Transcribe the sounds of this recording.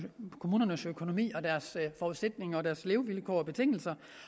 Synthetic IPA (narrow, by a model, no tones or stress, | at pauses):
kʰo̝muːnɐnəsøkʰo̝no̝mḭːɒ̽d̥æɐsfɒuðˠsed̥ne̝ŋɒ̽dæɐsle̝ːʊʋilkʰɒ̰ːɒ̽b̥e̝t͡sʰe̝ŋ̰l̩sɐ